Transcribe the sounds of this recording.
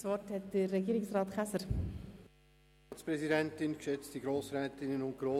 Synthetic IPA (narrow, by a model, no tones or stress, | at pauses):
svɔrthɛt̚d̥ərːɛɡiːɾɪksrɑːtχæsəɾ | tspɾɛzidɛntɪnkʃʏt͡stiɡɾoːsɾɛːtɪnənʊnt̚ɡ̥ɾoː